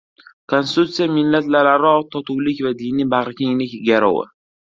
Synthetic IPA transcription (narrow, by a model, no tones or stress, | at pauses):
kʰonst̪ut̪sijamɪlːat̪laɾaɾɒt̪ʰɒt̪ʰuwlɪkʲvad̪inibaʁɾakʲʰɪŋlɪkʲɡʲaɾɒ̰wɪ̰